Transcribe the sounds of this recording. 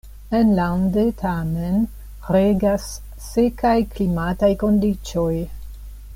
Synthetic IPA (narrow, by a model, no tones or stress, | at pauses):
enlandetʰamen | ɾeɡasː | ekajklimatajko̞ndit͡ʃo̞j